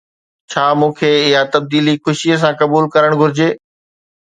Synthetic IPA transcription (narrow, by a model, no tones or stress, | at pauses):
t͡ɕʰaːmũːkʰeːɪɦat̪ɐb̚d̪iːlixʊʃijəs̬ãkɐbuːlkɐɾəɽ̃ɡʱʊɾɪd͡ʑeː